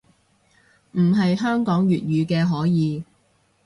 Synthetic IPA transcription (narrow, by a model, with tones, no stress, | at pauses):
m̩˨˩ɦɐ˨jɦœː˥ŋkɔː˨˥ŋjyː˨t̚jyː˨˧kɛː˧ɦɔː˨˥jiː˨˧